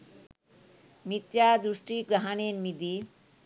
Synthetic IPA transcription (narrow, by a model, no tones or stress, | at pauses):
mit̪jad̪ɾuʂʈiɡɾaɦanenmid̪i